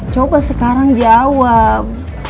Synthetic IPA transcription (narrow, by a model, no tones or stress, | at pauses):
t͡ʃobasəkaɾaŋdiawa